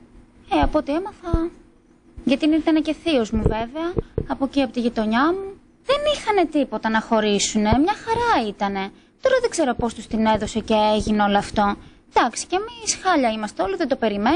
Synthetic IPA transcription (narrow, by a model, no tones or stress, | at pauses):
eɐpo̞t̪ie̞mɐθɐ | ʝɐt̪init̪ɐnece̞θio̞zmuve̞veɐːpociɐpot̪iʝit̪o̞ɲɐmu | ðe̞nixɐne̞t̪ipo̞t̪ɐnɐxo̞ɾisune̞mɲɐxɐɾɐit̪ɐne̞ | t̪o̞ɾɐðeɡze̞ɾo̞po̞st̪ust̪ine̞ðo̞se̞ceeʝineo̞loɐft̪o̞ | d̪̥ɐksi̥cemisxɐʎɐimɐst̪eo̞liðed̪o̞pe̞ɾime̞